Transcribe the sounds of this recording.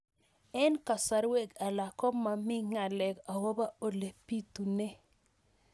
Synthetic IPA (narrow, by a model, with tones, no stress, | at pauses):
ɛ˦nka˨sa˨ɾwe˦ɡa˨la˨kɔ˦ma˨mɪ˦ŋa˨lɛ˨ka˨wo˦ba˦o˨le˨pi˦t̪u˨nɛ˦